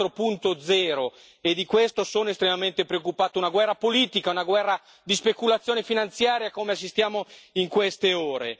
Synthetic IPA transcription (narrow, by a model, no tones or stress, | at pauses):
ɾopunt̪od̪zɛːɾo | ed̪ikwest̪osoːnoest̪ɾemament̪epɾeokːupaːt̪ounaɡwɛrːapoliːt̪ikaunaɡwɛrːa | d̪ispekulat̪sːjoːnefinant̪sjaːɾjakoːmeas̬ːist̪jaːmoiŋkwest̪eoːɾe